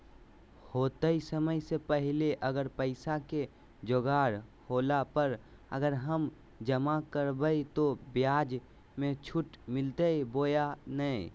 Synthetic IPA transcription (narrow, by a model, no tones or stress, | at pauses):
hoːt̪əisəməjsepəɦɪleʔəɡəɾpəɪsake | d͡ʒoɡaːɾhoːlapəɾ | ə̰ɡəɾɦəm | d͡ʒəmakəɾbəit̪objaːd͡ʒ | mẽt͡ʃʰʊʈmɪlt̪əiboːjanəĩ